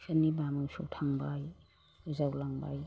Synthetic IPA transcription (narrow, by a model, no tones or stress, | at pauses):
sʰanibamɯwsutʰaŋbaj | ɯzawlaŋba̰j